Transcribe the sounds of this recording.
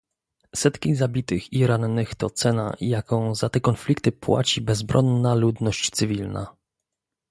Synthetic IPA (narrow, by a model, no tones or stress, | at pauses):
sɛt̪kʲizabʲit̪ɘxiɾanːɘxt̪ɔt̪sɛna̰jakɔ̃w̃zat̪ɛkɔnflʲikt̪ɘpwa̰t͡ɕibɛzbɾʔɔnːalud̪nɔɕt͡ɕt̪sɘvʲilna̰